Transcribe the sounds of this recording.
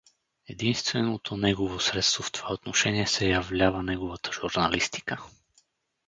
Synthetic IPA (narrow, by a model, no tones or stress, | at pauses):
ɛd̪inst̪vɛnot̪ʰonɛɡovosɾɛt̪st̪voft̪o̥v̥aot̪noʃɛniɛsɛjɐvlʲavənɛɡovət̪ə̥ʒ̥uɾnɐlist̪i̥kə